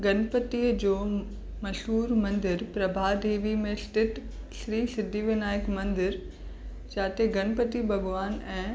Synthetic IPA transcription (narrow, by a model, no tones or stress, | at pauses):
ɡɐnpət̪iːəd͡ʑoː | mɐʃɦuːɾmɐ̃nd̪ɪɾpɾɐbʱaːɖiːʋimẽsʈɪʈ | sɾiːsɪd̪ʱːiʋɪnaːɪkmɐ̃nd̪ɪɾ | t͡ɕaːt̪eɡɐnpət̪ibʱɐɡʋaːnɛ̃ː